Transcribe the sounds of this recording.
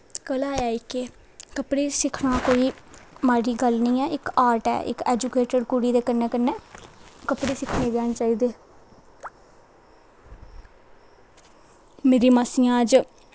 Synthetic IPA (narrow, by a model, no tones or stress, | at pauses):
kəlaːaːɪkeː | kəpɽeːsɪkʰɽãːkoːiːmaːɾiːɡəlnĩːɛːɪkaːɾʈɛ̰ːʔɪ̰kḛːd͡ʒuːkeːʈəɾkuɽiːd̪eːkəɾneːkəɾnɛːkəpɽeːsɪkʰneːd̪jaːnt͡ʃaːiːd̪eː | meːɾiːmaːsĩːãːd͡ʒ